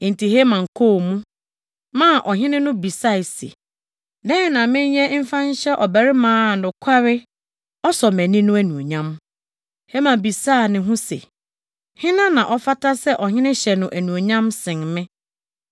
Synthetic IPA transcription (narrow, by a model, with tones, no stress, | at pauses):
n̩˨tʰi˨ɦe˦mã˨ŋ̩˨kʰo˦˨mũ˦ | mã˦˨ʔɔ˨ɦɪ̃˦nɪ̃˦nʊ̃˦bi˨sa˦˨i˨sḛ˨ | dɛ̃˦˨nã˨mɪ̃˦ɲ˦ɲɛ˦m̩˦fã˦ɲ˦ɕɛ˦ʔɔ˨bæ˨ɾɪ˦mãː˦˨nʊ̃˨kʰa˦ɾɪ˦ | ɔ˦sɔ˨mæ̃˨nĩ˦nʊ̃˦æ˦nũ˨o˨ɲã˦m | he˦mã˨bi˨saː˦˨nɪ̃˨ɦũ˦sɛ̰˨ | hɪ̃˦nã˦nã˨ʔɔ˦fa˦tʰa˦sɛ˦ʔɔ˨ɦɪ̃˦nɪ̃˦ɕɛ˨nʊ̃˨ʔæ˨nũ˨o˨ɲã˦msɪ̃˨ŋmɪ̃˦